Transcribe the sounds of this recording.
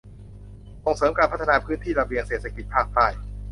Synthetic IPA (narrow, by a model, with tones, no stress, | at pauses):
so˨˩ŋsɤː˩˦mkaː˧npʰa˥t̪ʰːa˧naː˧pʰɯː˦˥nt̪ʰiː˥˩ɾa˧wi˧əŋseː˨˩˦t̪sʰa˧ki˨˩t̪̚pʰaː˥˩k̚t̪aː˥˩j